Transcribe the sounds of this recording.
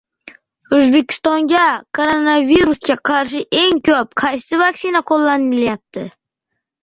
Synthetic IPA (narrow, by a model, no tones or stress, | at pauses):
ɵzbe̞kʲʰɪ̥st̪ɒŋɡʲakʰoɾonaviɾusɡʲaqʰɑɾʃɪʔe̞ŋkʰʲɵp̚qʰɑjsɪvaksɪnaqʰolˠːanɪɪljap̚t̪ʰɪ